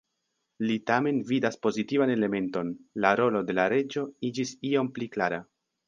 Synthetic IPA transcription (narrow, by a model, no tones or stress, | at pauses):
litame̞nvidaspo̞zitivane̞le̞me̞nto̞nlaɾo̞lo̞de̞laɾe̞d͡ʒo̞id͡ʒisio̞mpliklaɾa